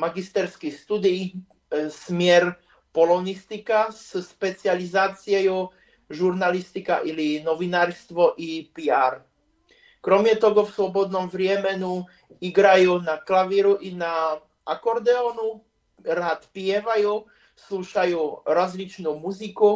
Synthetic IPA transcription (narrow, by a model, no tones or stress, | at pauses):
maɡist̪ɛɾskixst̪ud̪ij | smɪɛɾ | pɔlɔnist̪ikasʃpɛt͡sializaːt͡siɛju | ʒuɾnalist̪ika̰ʔilinɔʋinaːɾst̪ʋɔʔipiaɾ | kɾɔmjɛt̪ɔɣɔfslɔbɔd̪nɔmvɾɪɛmɛnu | iɡɾajuːnaklaʋiɾuʔina | akɔɾd̪ɛɔnu | ɾaːt̪pɪɛʋaju | sluːʃajuːɾɔzlit͡ʃnuːmuziku